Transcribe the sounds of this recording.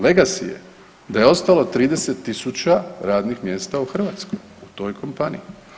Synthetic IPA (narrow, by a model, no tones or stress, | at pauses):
le̞ɡasḭjḛ | d̪ajeo̞st̪alot̪ɾiːd̪e̞se̞t̪ːisut͡ɕaɾaːd̪nixmje̞ːst̪auxr̩ʋat̪skoj | ut̪o̞ːjkʰo̞mpani